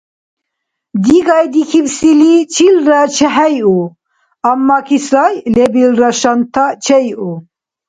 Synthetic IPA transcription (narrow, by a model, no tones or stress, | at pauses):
d̪iɡɑjd̪ikʰibsilit͡ʃʰilɾat͡ʃʰɛɦɛju | amːɑkʰisajlebilɾaʃant̪ʰːat͡ʃʰɛju